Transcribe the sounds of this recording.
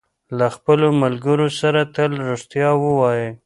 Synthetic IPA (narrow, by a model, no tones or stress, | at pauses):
laxpəlomalɡəɾosaɾat̪əlɾoʂt̪jɑwəwɑje